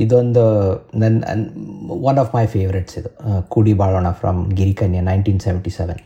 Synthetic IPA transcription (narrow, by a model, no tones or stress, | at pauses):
id̪ond̪ud̪ɐn̰nʋɐnɔʋpajʋfeːʋɾeʈsid̪ukuɽibaːɭoːnafɾɐ̰mɡiɾikɐnjɐnajnʈiːnsɛʋɛ̃ɳʈisɛʋɛ̃n